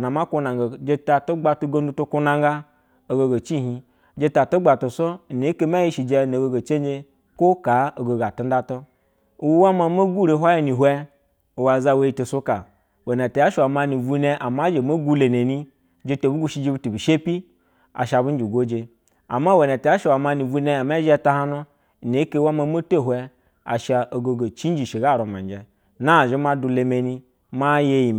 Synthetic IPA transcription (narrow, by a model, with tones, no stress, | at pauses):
na˨ma˦ko˦na˨ŋɡd͡ʒe˧ta˧to˦ɡ͡ba˧tu˧ɡo˦n˦du˦˧to˧ko˦na˧ŋɡa˦ | o˧ɡo˧ɡo˨t͡ʃi˦ɦi˧ | d͡ʒe˧ta˨to˦ɡ͡ba˨to˨so˦˨ne˨˦ke˧m˦a˦ji˦ʃi˨d͡ʒe˧no˨ɡo˧ɡo˨t͡ʃe˦n˦d͡ʒe˧ | ko˦ka˨˦o˨ɡo˨ɡa˨tu˦n̩˦da˦to˦˨ | wu˦wa˦ma˧˦mo˦ɡu˦ɾe˧˦ɦʷa˦ji˧ni˨ɦʷɛ˦ | o˨wa˨za˧we˧ji˧to˧so˦ka˨ | we˨ne˨te˨a˦ʃa˨ma˧ni˨vu˦ne˧ʔa˨ma˦d͡ʒe˨mo˦ɡu˦le˨ne˨ni˦ | d͡ʒe˦to˨bu˦ɡu˦ʃi˦d͡ʒe˧bu˦tu˨bi˨ʃe˦pi˦ | a̰˨ʃa˧˨bu˦n˦d͡ʒi˨ɡʷo˦d͡ʒe˧ | a̰˨ma˦we˨ne˨te˨ja˦ʃwa˨ma˧ni˨vu˦ne˧˦a˨ma˦ʒta˦ha˦nu˦˨ | ne˨˦ke˦wa˦ma˧mo˦to˦˨ɦʷɛ˦ | a̰˨ʃa˧ʔo˨ɡo˨ɡo˨t͡ʃi˦n˦d͡ʒi˨ʃe˨ɡa˦˨ɾo˨ma˨n˨d͡ʒe˨ | na˦˨ʒe˦ma˦du˧le˧me˨ni˦ | ma˦je˦ji˨